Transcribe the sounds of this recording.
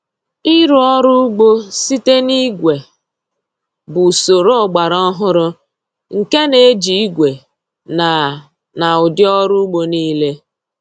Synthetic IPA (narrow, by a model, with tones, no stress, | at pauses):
i˦ɾʊ˨˦ɔ˦ɾʊ˦ɡ͡bo˦si˦te˦ni˦ɡʷe˨ | bʊ˨so˨ɾo˦ɔ˨ɡ͡ba˨ɾɔ˦ɦʊ˦ɾʊ˦ | ŋ̩˨ke˦ne˨˦d͡ʒi˨i˦ɡʷe˨ | na˨ | na˨ʊ˨dɪ˦ɔ˦ɾʊ˦ɡ͡bo˦niː˦le˦